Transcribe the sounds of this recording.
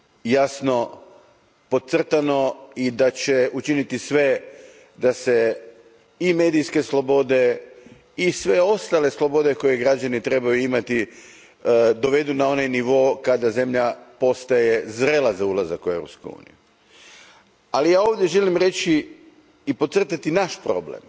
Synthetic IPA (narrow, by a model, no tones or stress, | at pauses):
jasno̞ | po̞t̪t̪sr̩t̪ano̞id̪at͡ɕeʔut͡ʃinit̪isʋe̞ | d̪ase̞ | ime̞ːd̪ijske̞slˠo̞bo̞d̪e̞ | isʋeo̞st̪ale̞slˠo̞bo̞d̪e̞ko̞je̞ɡɾad͡ʒanit̪ɾe̞bajuimat̪i | d̪o̞ʋe̞d̪unao̞najniʋo̞kad̪aze̞mʎapo̞st̪aje̞zɾe̞lazaulˠazakueʋɾopskṵjṵːnḭju | alijaːoʋd̪je̞ʒe̞limɾe̞t͡ʃi | ipot̪sr̩t̪at̪inaʃpɾo̞̰blḛm